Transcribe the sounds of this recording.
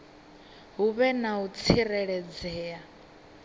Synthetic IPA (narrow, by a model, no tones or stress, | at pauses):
ɦuβɛnaut͡sʰirɛɺɛd͡zɛːa